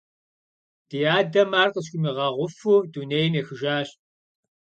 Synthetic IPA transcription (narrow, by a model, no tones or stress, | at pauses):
d̥ijaːdɐmaːrqəs̬kʷʊmiʁɑʁʷʊfuːdunejmeːxɨʒaːɕʼ